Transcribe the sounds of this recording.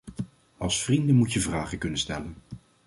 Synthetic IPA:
ɑlˠsfrindənmutjəvraːχəkɵnənstɛlən

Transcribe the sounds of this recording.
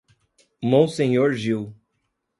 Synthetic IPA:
mõw̃sẽɲoɾʒiw

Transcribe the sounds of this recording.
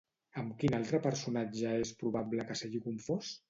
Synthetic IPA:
əmkinalˠt̪ɾəpəɾsunad͡ʒəespɾuβ̞abləkəseɣikuɱfos

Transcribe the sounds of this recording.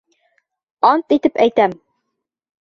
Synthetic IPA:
ɑnt̪it̪ɘpæjt̪æm

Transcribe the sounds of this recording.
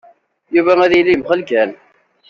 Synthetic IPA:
juvææðilimχəlkæn

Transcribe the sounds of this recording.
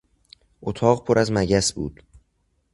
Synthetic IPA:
ʔot̪ʰɒːɢpʰoɾʔæzmæɟæsbṵːd̪̥

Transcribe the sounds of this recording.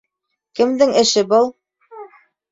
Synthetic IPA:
kɘ̆md̪ɘŋɘ̆ʃɘbɤlˠ

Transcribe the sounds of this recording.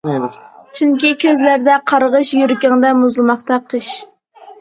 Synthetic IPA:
t͡ʃʰyŋkʲikʲʰøzlæɾd̪ɛqʰɑɾʁəʃjyɾkʲɛŋd̪ɛmuzlˠɨmɑχt̪ɑqʰəʃ

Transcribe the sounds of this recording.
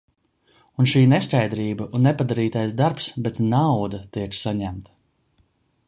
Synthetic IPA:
unʃiːneskajd̪ɾiːbɐʔunːɛpad̪aɾiːt̪ajsd̪aɾpsbɛt̪nawd̪at̪iɛksaɲæmt̪

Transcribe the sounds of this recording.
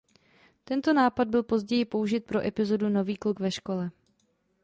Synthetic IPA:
t̪ɛnt̪o̞naːpad̪̚bɪlpo̞zɟɛjɪpouʒɪt̪̚pɾo̞ʔɛpɪzo̞duno̞viːklukvɛʃko̞lɛ

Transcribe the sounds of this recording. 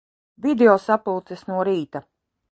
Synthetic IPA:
vʲid̪eɔsapulˠt̪sesnuɔɾiːt̪a

